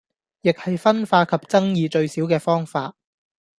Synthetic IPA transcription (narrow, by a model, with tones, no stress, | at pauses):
jɪ˨k̚hɐ˨jfɐ˥nfaː˧kʰɐ˨p̚t͡sɐ˥ŋjiː˧t͡ʃɵ˧ɥsiː˨˥wkɛː˧fɔː˥ŋfaː˧t̚